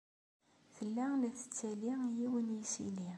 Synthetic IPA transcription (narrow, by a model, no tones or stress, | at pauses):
θəlːælæθə̥t͡sːælijiwənjisḭli